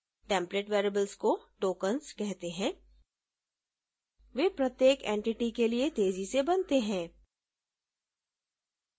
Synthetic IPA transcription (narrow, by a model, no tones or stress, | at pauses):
ʈɛ̃ːmpleːʈʋeːɾebəlzkoʈoːkənskɛɦt̪eɦɛ̃ː | ʋeːpɾɐt̪jeːkẽːɳʈɪʈikeliet̪eːzisebɐnt̪eɦɛ̃ː